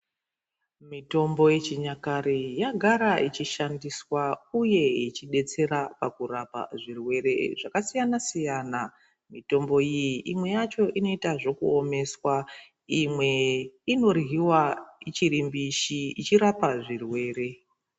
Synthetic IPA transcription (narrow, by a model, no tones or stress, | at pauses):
mito̞mbo̞je̞t͡ʃiɲakaɾijaɡʱaɾait͡ʃiʃandiswauje̞it͡ʃiɗe̞t͡se̞ɾapakurapa̰ʐirwe̞ɾe̞̰ʐakasijanasijana | mito̞mbo̞ijiʔimwe̞jat͡ʃo̞ʔino̞itaʐo̞kuome̞swa | imwe̞ino̞rɦiwait͡ʃiɾimbiʃiit͡ʃiɾapaʐirwe̞ːre̞